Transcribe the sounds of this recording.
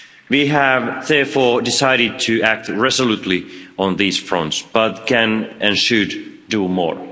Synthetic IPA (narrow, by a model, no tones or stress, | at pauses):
wiævðɛɹfɔɹdɪsaɪɾɨd̚tʰɨæk̚tɹɛzəlutˡliə̃nðiz̥fɹʌ̰̃ntsb̥ʌt̚kʰɨ̃nʔɨ̃nʃɨdː | umɔ̰ɹ